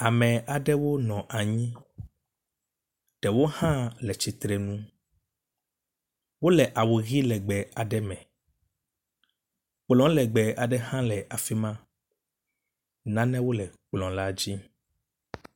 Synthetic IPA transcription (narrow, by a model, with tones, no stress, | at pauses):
a˨mɛ̃˨a˨ɖɛ˦wo˦nɔ̃˨ʔa˨ɲĩ˦ | ɖ̥ɛ˨wo˦hã˦lɛ˨t͡ɕi˨t̪ɾɛ˨nũ˦ | wo˦lɛ˨ʔa˨wu˨ɣi˦lɛ˨ɡ͡bɛ˨a˨ɖɛ˦mɛ̃˨ | k͡plɔ̃˨˦lɛ˨ɡ͡bɛ˨a˨ɖɛ˦ɦã˦lɛ˨ʔa˨fi˦mã˦ | nã˦nɛ̃˦wo˦lɛ˨k͡plɔ̃˨la˦d͡ʑi˦